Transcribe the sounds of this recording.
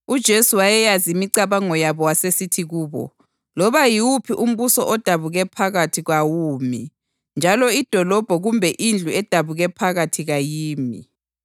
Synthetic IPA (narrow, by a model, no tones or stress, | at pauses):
ud̥ʒ̥ʱesuwajɛjazimiǀaβaŋɔjaβɔwasesitʰiɣuːβɔ̰ | lɔβajiwupʰiʔum̩βusɔʔɔd̥ʱaβuɣɛpʰaɣatʰiɣwawuːmi | nd͡ʒʱalɔid̥ʱɔlɔb̥ʱɔɣumbʱɛʔind͡ɮʱuɛd̥ʱaβuɣɛpʰaɣatʰiɣajiːmḭ